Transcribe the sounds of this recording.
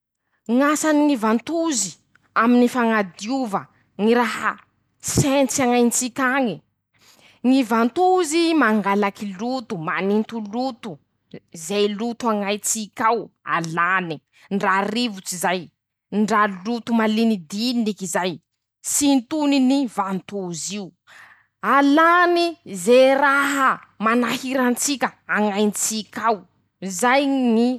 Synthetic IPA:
ŋasaniŋivant̪uzi | aminifaŋad̪iuvə | ŋiɾaɦə | sent͡saŋajnit͡sikʲaŋi | ŋivant̪uzimaŋɡalakilut̪umanint̪ulut̪u | zejlut̪uaŋajt͡sikʲawa̰lani | ɳɖ͡ʐarivut͡sizaj | ɳɖ͡ʐalut̪umalinid̪iinikizaj | sint̪uninivant̪uziu | alanizeraɦəmanahiɾant͡sikʲəaŋajnt͡sikʲaw | zajni

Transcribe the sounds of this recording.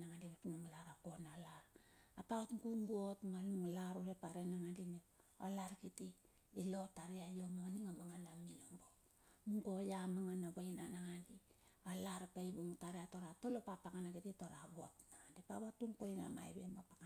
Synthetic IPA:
naŋandiβepinuŋlaɾakonalaɾapatŋkuŋɡuotŋaluŋlaɾoɾepaɾenaŋandinoolaɾkiti | ilo̞taɾeajomoniŋamaŋanamiloŋbo | muŋkojamaŋanaɡojnanaŋandiolaɾapaibuŋutaɾeatoɾatolopapakanakititoɾaβotnaŋandipaβatuŋkojna̰ma̰jbemopaka

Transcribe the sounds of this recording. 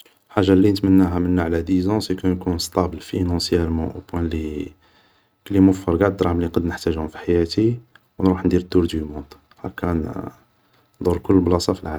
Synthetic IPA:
lħaʒːalːinət̪mənːæɦæmənːaʕlæd̪izɑ̃sekənkunst̪ˤæbəlfinɑ̃sjælmɑ̰̃ʔo̰pwæ̃li | klimʊfəɾɡaʕd̪ɾˤɑʕmliqɑd̪nəħt̪æʒʊfi̥ħajæt̪i | wnɾuħnd̪iɾət̪ːuɾd̪ymɔ̃nd̪ | hæ̰kːæn | d̪ʊɾkʊlːblɑsɑfilʕa

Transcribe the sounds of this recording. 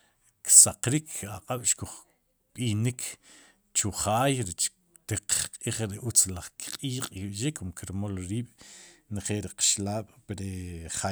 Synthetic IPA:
ksaqɾikʰaqʼaɓ̥ʃkuχ | ɓinikʰ | t͡ʃuχaːjɾet͡ʃ | t̪eqqʼiːχɾeʔut͡slaχkqʼiːqʼkiɓʃikːumkiɾmolɾiːɓ̥nχelɾiqḁʃlaːɓ̥pɾeχa

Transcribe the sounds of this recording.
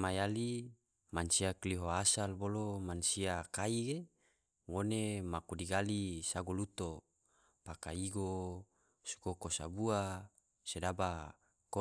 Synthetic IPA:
majali | mansiakliɦoasalbolomansiakaiɡe | ŋonemakudiɡalisaɡolut̪o | pakaiɡo | su̥kokosa̰bua | sedaba | ko

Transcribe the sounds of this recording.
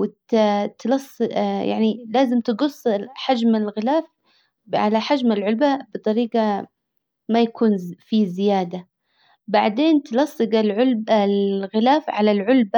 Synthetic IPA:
wɪtt̪lɑsˤːja̰ʕnilaːzɪmt̪ɪɡʊsˤːħad͡ʒmalɣɪlaːf | ʕa̰laħad͡ʒmalʕʊlbabɨt̪ˤɑɾiːɡɑ | majakʰuːnfizɪjaːd̪a | baʕd̪eːnt̪lɑsˤːɨɡalʕʊlbalɣɪlaːfʕalalʕʊlba

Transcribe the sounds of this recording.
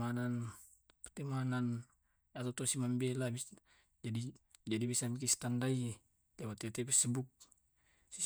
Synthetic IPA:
anan | pt̪imanan | at̪at̪ɔsimambɛlabi | d͡ʒadid͡ʒadibisamik̬ist̪andai | lɛwat̪ɛt̪ɛpisəbuk̚ | si

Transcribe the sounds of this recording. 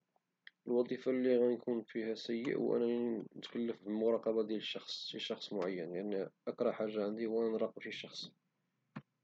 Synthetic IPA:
ʔəlwɑd̪ˤifalːiɣænkʰunfihæsæjːə̰ʔwʔæ̰nænt̪kəlːəfbəlmʊɾˤɑqɑbad̪jæləʃːɑxsˤfiʃːɑxsˤmʊʕajːənjaʕniʔəkɾˤɑħaʒːaʕənd̪iwʔænnɾˤɑqːəbfiʃːɑxsˤ

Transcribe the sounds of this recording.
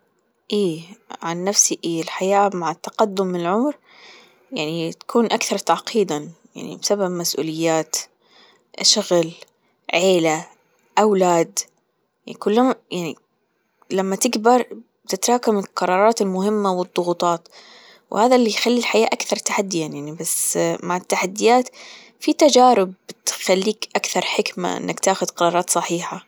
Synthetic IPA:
ʔeːʕanːafsiʔeːɪlħajaːmaʕɪt̪ːɑqɑd̪ːʊmːɪnɪlʕʊmɾ | jaʕnit̪ḁkʰuːnʔakθɑɾˤt̪aʕqʰiːd̪aja̰ʕnḭbsababmasʔṵːlɪjːaːt̪ | ʃʊɣl | ʕeːla | ʔawlaːd̪ | jakʊlːamajaʕnḭ | lamːat̪ɪɡbɑɾˤ | t̪ɪt̪ɾˤɑːkamɪlqɑɾˤɑːɾˤɑːt̪ɪlmʊɦɪmːawɨd̪ˤːʊɣuːt̪ˤɑːt̪ | whaːðalːijxalːilħajaːʔakθɑɾˤt̪aħad̪ːɪjanjaʕnibasmaʕɪt̪ːaħad̪ːɪjaːt̪ | fit̪ad͡ʒaːɾɪb̚bt̪xalːiːkʔakθɑɾˤħɪkma̰ʔɪ̰nːʔakt̪aːxʊd̪qɑɾˤɑːɾˤɑːt̪sˤɑħiːħa

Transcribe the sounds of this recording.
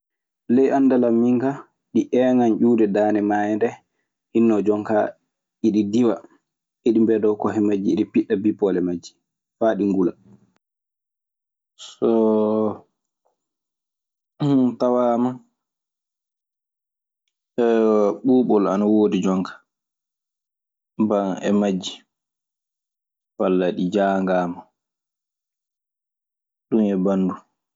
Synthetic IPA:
lɛjʔanːdalamːiŋka | ɗiʔɛŋand͡ʒuːdɛdaːnɛmajɛndɛ | hinːɔd͡ʒɔŋka | iɗidiwa | ʔiɗimbɛdɔwkɔɦɛmad͡ʒiːɗipiɗːabipɔlɛmad͡ʒːi̥ | faɗiŋɡula | sɔ | tawaːma | ɛɓuːɓɔla̰nawoːdid͡ʒɔŋkḁ | baŋɛ̰mad͡ʒːi̥ | walːaɗid͡ʒaːŋɡaːma | ɗunɛbandu

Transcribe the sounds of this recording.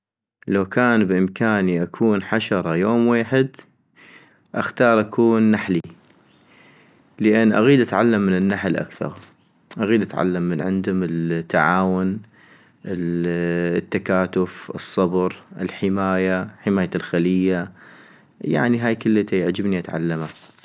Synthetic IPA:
lawkaːnbʔɪmkaːniʔakʰuːnħaʃɑɾˤɑjoːmweːħɪd̪ | ʔaxt̪ɑːɾˤʔakʰuːnːaħli | ləʔɪnːʔa̰ɣiːd̪ʔat̪ʕalːamːɪnɪnːaħlʔa̰kθɑ̰ɾˤ | ʔaɣiːd̪ʔat̪ʕa̰lːamːɪnʕɪ̰nd̪ʊmɪlt̪ːaʕaːwʊn | ʔɪ | t̪ːakaːt̪ʊfʔɨsˤːɑbɾʔɪ̰lħɪmaːjaħɪmaːjalxalɪjːa | ja̰ʕniɦaːjkəlːɪt̪ajʕd͡ʒɪbniʔat̪ʕa̰lːama

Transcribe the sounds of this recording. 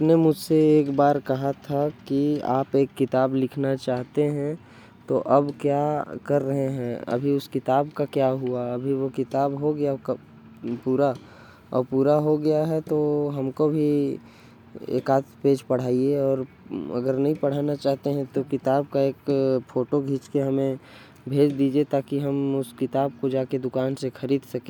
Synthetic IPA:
pnemʊd͡ʒʱseeːkbaːɾkɐɦat̪ʰakia̰ːpeːkːɪt̪aːblɪkʰnat͡ʃaːɦt̪eɦɛ̃ | t̪oʔɐbkjakɐɾːɐɦeɦɛ̃ɐ̰bʱiʊskɪt̪aːbkakjaɦuaɐbʱiʋokɪt̪aːbɦoɡɐja | puːɾa | ɔ̰ːɾpuːɾaɦoɡɐjaɦɛt̪oɦɐmkobʱi | ḛːkaːt̪peːd͡ʒpɐɽ̤aːieɔːɾ | ɐ̰ɡəɾnɐɦĩpɐɽ̤aːnat͡ʃaːɦt̪eɦɛ̃t̪okɪt̪aːb̚kaeːkfʰoːʈoɡʱiːt͡ʃkeɦɐmẽ | bʱeːd͡ʒd̪iːd͡ʒiet̪aːkiɦɐmʊskɪt̪aːb̚kod͡ʒaːked̪ʊkaːnsexʰɐɾiːd̪sɐkẽ

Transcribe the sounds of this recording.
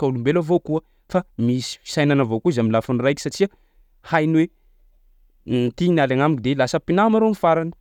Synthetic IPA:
kaulumbelavokuə | famisi̥fi̥sajnanavokuizamilafunirajki̥saʈ͡ʂia | hajniwe | nt̪inalaŋamikd̪elasəpinamaɾomifaɾanə̥

